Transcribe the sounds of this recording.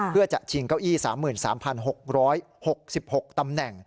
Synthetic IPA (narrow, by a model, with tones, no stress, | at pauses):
ɯ˥˩ɐt͡ɕa˨˩t͡ɕʰi˧ŋkaː˥˩wʔiː˥˩saː˩˦mːɯː˨˩nsa̰ː˩˦mpʰa˧nɦo˨˩k̚ɾɔː˦˥j | ho˨˩k̚si˨˩p̚ho˨˩k̚t̪a˧mnɛ˨˩ŋ